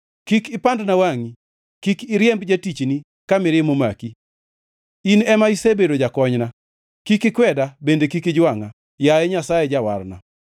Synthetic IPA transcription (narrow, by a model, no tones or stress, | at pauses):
kikɪpandnawaŋi | kikɪɾjɛmbd͡ʒatit͡ʃni | kamɪɾɪmomaki | inɛmaisebedod͡ʒakɔɲna | kikɪkwɛdabendekikid͡ʒwaŋa | jaɛɲasajed͡ʒawa̰rna